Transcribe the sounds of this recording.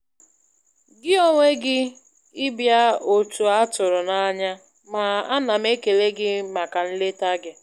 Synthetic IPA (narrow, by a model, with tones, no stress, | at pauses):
ɡɪ˦o˦ŋʷe˦ɡɪ˦ | ɪ˦bja˦o˨tu˨a˦tʊ˨ɾʊ˨na˦ɲa˦ | ma˨a˦na˨me˦ke˨le˦ɡɪ˦ma˨ka˨n̩˦le˦ta˦ɡɪ˦